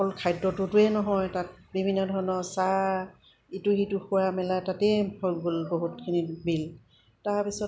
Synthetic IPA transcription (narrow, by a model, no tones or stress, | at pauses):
ɔlkʰajdɔtʊtʊɛnɔɦɔjtat̚bibʱinːɔdʱɔɹnɔsa | itʊxitʊxʊwamɛlatatɛhoɡolboɦutkʰinibil | taɹpisɔt